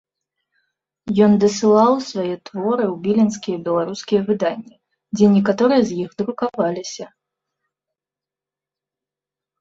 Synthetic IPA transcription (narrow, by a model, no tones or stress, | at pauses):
jɔnd̪ɨsɨlˠawsvajɛt̪vɔɾɨwbʲilʲinskʲijɛbʲɛlˠaɾuskʲijɛvɨd̪anʲːi | d͡zʲɛnʲɛkat̪ɔɾɨjɐzʲjixd̪ɾukavalʲisʲɐ